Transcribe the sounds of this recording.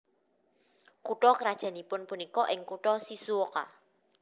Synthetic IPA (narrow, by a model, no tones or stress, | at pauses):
kuʈɔkəɾad̥ʒ̥ä̤nipʊnpunikɔʔɪŋkuʈɔsisuoka̰